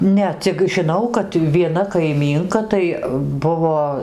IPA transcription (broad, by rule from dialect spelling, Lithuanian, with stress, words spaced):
ˈnʲɛ t͡sʲɪk ʒʲɪˈnɐʊ kɐt ʋʲiɛˈnɐ kɐɪˈmʲiːŋkɐ tɐɪ ˈbʊʋoː